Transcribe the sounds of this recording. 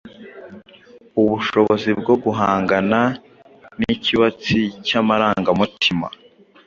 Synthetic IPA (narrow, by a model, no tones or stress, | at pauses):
uβuʃo̞βozib̚ɡo̞ɡuɦaːŋɡana | niciβat͡sicamaɾaːŋɡamutʰima̰